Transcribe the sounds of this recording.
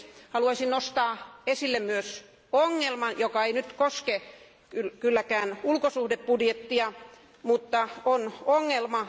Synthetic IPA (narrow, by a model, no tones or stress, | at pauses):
hɑluɑisinnost̪ɑːesilːemmyøs | oŋːelmɑnjokɑeinyt̪koske | kylkylːækæːnulkosuhdeppudjet̪ːiɑ | mut̪ːɑonoŋːelmɑ